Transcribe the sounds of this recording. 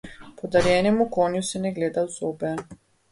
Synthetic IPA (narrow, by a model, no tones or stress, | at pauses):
pɔd̪aɾjɛnɛmukonjusɛnɛɡleːd̪awzoːbɛ